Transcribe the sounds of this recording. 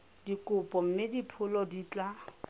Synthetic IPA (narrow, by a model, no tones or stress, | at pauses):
dikʼʊpʼɔm̩mɪdipʰʊlɔdit͡ɬʼa